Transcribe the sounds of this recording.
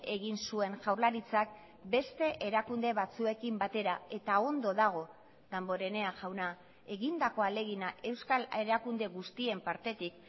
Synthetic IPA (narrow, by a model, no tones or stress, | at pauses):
e̞ɣinsue̞nʝawɾlaɾit͡sak̚ | be̞st̪e̞ʔeɾakund̪e̞βat͡sue̞kimbat̪e̞ɾae̞t̪ao̞nd̪o̞ðaɣ̞o̞ | ðambo̞ɾe̞ne̞aʝawna | e̞ɣind̪ako̞ale̞ɣinaʔe̞wskale̞ɾakund̪e̞ɣust̪ie̞mpaɾt̪e̞t̪ik̚